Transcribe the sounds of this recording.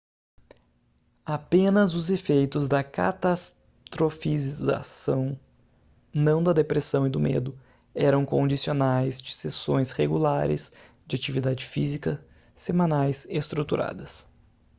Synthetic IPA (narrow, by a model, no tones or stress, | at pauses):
apẽnɐzʊzefejt̪ʊzd̪ɐka̰t̪as | t̪ɾofizza̰sɐ̃w̃ | nɐ̃w̃d̪ɐd̪epɾesɐ̃w̃ɪd̪ʊmḛd̪ʊ | ɛɾɐ̃w̃kõd͡ʒisionajzd͡ʒɪsesõj̃sheɡulaɾɪ̰s | d͡ʒɪat͡ʃivid̪ad͡ʒɪfizikɐ | semãnajsest̪ɾut̪uɾʔa̰d̪ɐs